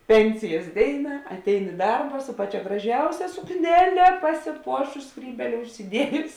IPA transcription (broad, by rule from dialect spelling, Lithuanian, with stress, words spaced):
ˈpʲɛnʲsʲɪjɛs ˈdʲeːɪnɐ ɐtʲˈɛɪn ɪ ˈdɐrbɐ sʊ ˈpɑːˌt͡ʃʲɛ ɡrɐˈʒʲɛʊsʲɛ sʊkˈnʲæːlʲɛ pɐsʲɪˈpuɔʃʊs ˈskrʲiːbʲeːlʲɛ ʊʃʲsʲɪˈdʲiɛjʊs